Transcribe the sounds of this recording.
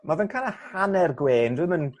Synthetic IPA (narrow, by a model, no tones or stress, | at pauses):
maðənkʰaːnˠəhanɛrɡweːndɪmən